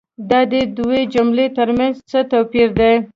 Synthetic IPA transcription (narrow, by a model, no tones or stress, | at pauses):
d̪ɑd̪əd̪uwed͡ʒʊmlet̪əɾmanzt͡sət̪apiɾd̪e